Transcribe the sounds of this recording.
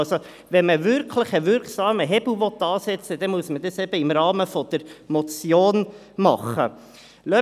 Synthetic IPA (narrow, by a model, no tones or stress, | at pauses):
so | ʋɛnməʋɪɾkʰlɪχəʋɪɾksɑːməɦɛbl̩ʋɔt̪ːɑːsɛt͡səd̪ɛmuəsmədəsɛb̥əɪmrɑːməfɔd̪̥əɾmɔt͡sjoːn | mɑχə | lœ